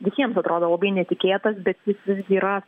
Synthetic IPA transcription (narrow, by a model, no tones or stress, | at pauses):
ʋʲɪsʲiɛmsɐt̪ɾoːd̪oːlˠɐbɐɪnʲɛt̪ʲɪkʲeːt̪ɐsbʲɛt̪jɪsʋʲɪzʲɡʲiːɾɐ